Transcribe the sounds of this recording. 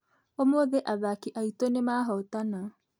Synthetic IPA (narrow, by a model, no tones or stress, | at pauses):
omoːðeʔaðakiʔaitonemaːɦɔtana